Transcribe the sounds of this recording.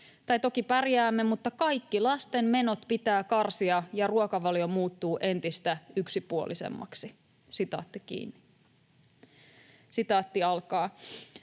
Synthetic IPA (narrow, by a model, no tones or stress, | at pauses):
t̪ɑjt̪o̞kipærjæːmːemut̪ːɑkɑjkːilɑst̪e̞mme̞no̞t̪pit̪æːkɑrsiɑjɑruokɑʋɑljo̞muːt̪ːuːʔe̞nt̪ist̪æyksipuo̰lisḛmːɑ̰ksi | sit̪ɑ̰ːt̪ːikḭːnːi̥ | sit̪ɑːt̪ːiɑlkɑː